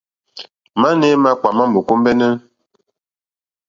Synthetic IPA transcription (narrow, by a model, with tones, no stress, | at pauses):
ma˦nɛ˦ma˦k͡pa˨ma˦mo˨ko˦m˦bɛ˦nɛ˦n